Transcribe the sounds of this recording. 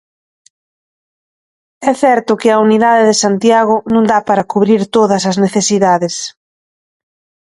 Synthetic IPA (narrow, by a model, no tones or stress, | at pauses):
ɛθɛɾt̪ʊkɪɐuniðaðeðɪsant̪jaɣ̞ʊnõŋd̪apaɾɐkuβɾiɾt̪oðɐsɐzneθesiðaðes